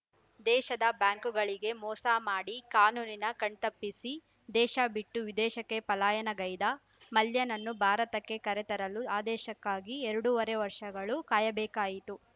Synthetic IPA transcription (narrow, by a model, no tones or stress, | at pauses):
d̪ɛːʃɐd̪ɐbjaːŋkuɡɐɭiɡe̞mɔːsaːmaːɽikaːnuːninɐkɐɳt̪ɐpːisi | d̪ɛːʃɐbiʈːuʋid̪ɛːʃɐkːe̞pɐlaːjɐnɐɡɐjd̪ɐ | mɐljɐnɐnːubʱaːɾɐt̪ɐkːe̞kɐɾet̪ɐɾɐluaːd̪ɛːʃɐkːaːɡiɛɾɐɽuʋɐɾeʋɐɾʂɐɡɐɭukaːjɐbɛːkaːjit̪u